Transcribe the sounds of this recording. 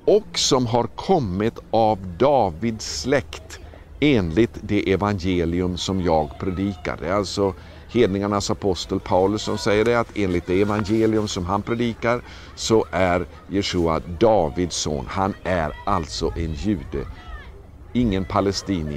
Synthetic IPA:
ɔksɔmɦaɾkʰɔmːɪt̪avd̪ɑːvɪd̪slɛkt̪ | eːnlɪt̪d̪ɛʔɛvanjeːlɪɵmsɔmjɑːɡpʰɾɛd̪iːka̰ɖɛ̰æɾalt̪sɔ | heːd̪nɪŋaɳasapʰɔst̪əlpʰaʊlɵsːɔmsɛjːəɖɛat̪ʰeːnlɪt̪̚d̪ɛɛvanjeːlɪɵmsɔmɦanpʰɾɛd̪iːkaɾ | sɔʔæɾ | jɛʂuːa̰d̪ɑːvɪd̪so̰ːnhanæɾalt̪sɔʔɛnjʉ̟ːd̪ə̰ | ɪŋːənpʰalɛst̪iːnɪ

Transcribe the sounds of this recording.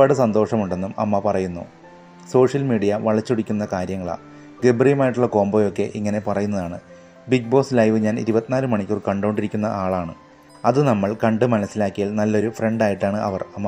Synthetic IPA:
ɐɽɨsɐnd̪oːʂɐmuɳɖe̞nːumɐ̰mːɐpɐrɐjunːo̰ | so̞ːʂjɐlmiːɽijɐʋɐɭɐt͡ɕːuɽikʲːunːɐkaːɾjɐŋːɐɭa̰ː | d̪ebrijɐmaːjiʈːuɭːɐko̞ːmboːjo̞kːe̞̰ʔiŋːɐne̞pɐrɐjunːɐðaːɳɨ | biɡ̚bo̞ːslɐjʋɨɲaːnḭɾubɐt̪ːinaːɾɨmɐɳikʲːorkɐɳɖoɳɖiɾikʲːunːɐʔaːɭaːɳɨ̰ | ɐðɨnɐmːɐɭkɐɳɖɨmɐnɐsːilaːkːijalnɐlːo̞ɾufre̞ɳɖaːjiʈːaːɳɨʔɐ̰ʋɐrɐmːɐ

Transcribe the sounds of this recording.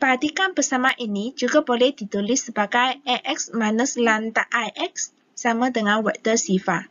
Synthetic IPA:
pəɦat̪ikanbərsamaʔinid͡ʒuɡabolɛhd̥it̪ulɪsːəbaɡajɛʔɛksmanəslant̪aʔajʔɛk̚sː | amadəŋanwɛʔt̪ərsifa

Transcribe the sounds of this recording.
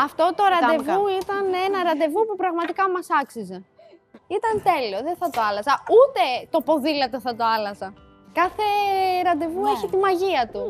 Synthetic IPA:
ɐft̪o̞t̪o̞ɾɐd̪e̞vuit̪ɐne̞nɐɾɐnd̪e̞vupupɾɐɣmɐt̪ikɐmɐsɐksize̞ | it̪ɐnt̪e̞lio̞ðenθɐt̪o̞ɐlɐzɐut̪e̞t̪o̞po̞ðilɐt̪oθɐt̪o̞ɐlɐzɐ | kɐθe̞ɾɐnd̪e̞vue̞çit̪imɐʝiɐt̪u

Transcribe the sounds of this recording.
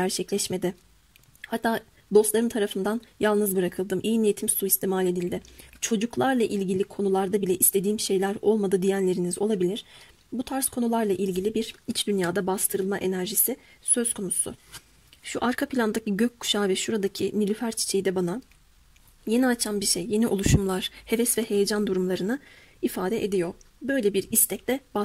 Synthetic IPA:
ɟæɾt͡ʃʰɛclʲɛʃme̞d̪ɪ | hat̪ʰːaː | d̪o̞slˠaɾɯmt̪ʰaɾafɯnd̪anjalˠnɯzbɯɾakʰɯlˠd̪ɯmʔijnijet̪ʰimsuist̪ʰimalʲe̞d̪ilʲd̪ɪt͡ʃʰo̞d͡ʒuklˠaɾlˠaʔilʲɟilʲikʰo̞nulˠaɾd̪abilʲɛʔist̪ʰe̞d̪iːmʃe̞jlʲæɾo̞lˠmad̪ɯd̪ijænlʲe̞ɾinizo̞lˠabilʲiɾ̥ | but̪ʰaɾskʰo̞nulˠaɾlˠaʔilʲɟilʲibiɾit͡ʃd̪ynjaːd̪abast̪ʰɯɾɯlˠmaʔe̞næɾʒisisø̞z̥kʰo̞nusʊ̰ | ʃuʔaɾkʰapʰilʲand̪aciɟøc̚kːu̥ʃaːvɛʃuɾad̪acʰinilʲyfæɾt͡ʃʰi̥t͡ʃʰejd̪ɛbana | je̞niat͡ʃʰanbiɾʃejje̞niʔolˠuʃumlˠaɾ̥he̞vɛsvɛhe̞jed͡ʒand̪uɾumlˠaɾɯnɯ | ifaːd̪ɛʔed̪ijo̞ | bø̞jlʲebiɾist̪ʰɛc̚d̪ɛba

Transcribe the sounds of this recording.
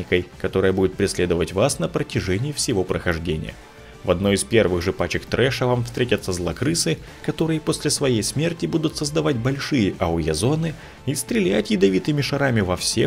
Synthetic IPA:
ɪkəjkɐt̪o̞ɾɨjəbudʲɪt̪pɾʲɪsʲlʲed̪əvətʲvasnəpɾətʲɪʐɛnʲɪːfsʲɪvo̞pɾəxɐʐdʲenʲɪ̰jə̰ | vɐd̪no̞ɪspʲe̞rvɨɣʐɨpat͡ɕɪkt̪ɾʔɛʂəvamfst̪ɾʲetʲət̪səzlˠɐkɾɨsɨ | kɐt̪o̞ɾɨjəpo̞sʲlʲɪsvɐjejsmʲertʲɪbud̪ʊt̪səzd̪ɐvatʲbɐlʲʂɨjəʔɐʊjɐzo̞nɨ | ist̪ɾʲɪlʲætʲjɪd̪ɐvʲit̪ɨmʲɪʂɐɾamʲɪvɐfsʲe

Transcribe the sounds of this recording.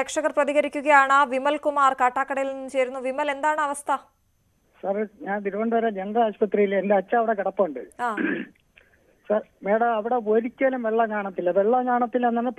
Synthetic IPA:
eːkʂɐɣɐrprɐðiɣɐɾikʲːuɣɐjaːɳaʋimɐlkumaːrkaːʈːaːkːɐɽɐjilnːt͡ɕe̞jɾunːuʋimɐle̞nd̪aːɳɨɐʋɐst̪ʰɐ | sɐrɲaːnd̪iɾʋoɳɖɨʋɐɾed͡ʑeŋɡɐaːɕpɐt̪ːrijilendeɐt͡ɕːɐːʋiɽekiɽɐpːɐuɳɖɨaː | sɐrmeːɽɐmɐʋiɽe̞oɾikʲːaːlumʋeɭːɐɲaːɳɐt̪ːilɐðeɭːɐɲaːɳɐt̪ːilenːɐnːɐ

